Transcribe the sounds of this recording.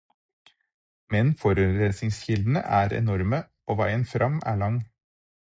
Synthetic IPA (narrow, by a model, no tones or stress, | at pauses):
mɛnfɔɾʉɾesɪŋsçɪld̪n̩ə̰ʔæːɾɛ̰nɔɾmə | oːʋæɪənfɾʔɑmæ̰ːɭɑŋ